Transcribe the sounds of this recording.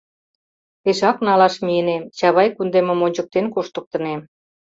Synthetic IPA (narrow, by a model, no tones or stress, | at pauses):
peʃɑknɑlɑʃmienet͡ɕɑβɑjkund̪emə̆monʲt͡ɕə̆k̚t̪enkoʃt̪ə̆k̚t̪ə̆ne